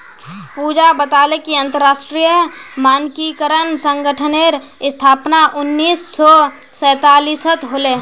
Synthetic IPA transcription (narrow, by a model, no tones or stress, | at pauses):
puːd͡ʒabət̪aːlekiɐ̃nt̪əɾːaːʃʈɾijəmaːnkikəɾənsə̃ŋɡəʈʰəneɾ | ɪst̪ʰaːpnaʔʊnːiːsːɔ | sɛːt̪aːliːsət̪ɦoːle